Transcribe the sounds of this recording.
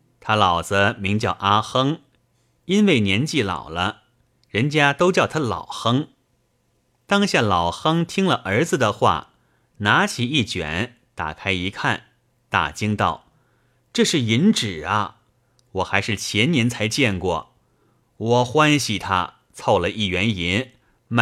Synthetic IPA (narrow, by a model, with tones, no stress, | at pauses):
t̪ʰa˥lɑ˨˩ʊd͡zə˦mi˧˥ŋt͡ɕjɑ˥˩ʊʔa˥xɤ˥ŋ | i˥nwe˥˩ɪnjɛ˧˥nt͡ɕi˥˩lɑ̰˨˩ʊlə˦ | ɻə˧˥nt͡ɕja˥t̪o˥ʊt͡ɕjɑ˥˩ʊt̪ʰa˥lɑ̰˨˩ʊxɤ˥ŋ | t̪ɑ˥ŋɕja˥˩lɑ˨˩ʊxɤ˥ŋt̪ʰi˥ŋlə˨ʔə˞˧˥d͡zɹ̩˧d̪ə˨xwa̰˥˩ | na˧˥t͡ɕʰi˨˩i˥˩t͡ɕɥɛ̰˨˦n | t̪a̰˨˩kʰa˥ɪi˧˥kʰa˥˩n | t̪a̰˨˩t͡ɕi˥ŋt̪ɑ̰˥˩ʊ | ʈ͡ʂɤ˥˧ʂɻ̩˥˩i˧˥nʈ͡ʂɻ̩˨˩ɐ˦ | wɔ˨˩xa˧˥ɪʂɻ̩˥˩t͡ɕʰjɛ˧˥nnjɛ˧˥nt͡sʰa˧˥ɪt͡ɕjɛ˥˧nkwɔ̰˥˩ | wɔ˨˩xwa˥nɕi˨˩t̪ʰa̰˥ | t͡sʰo˥˩ʊlə˨ʔi˥˩ɥɛ˧˥ni˧˥n | m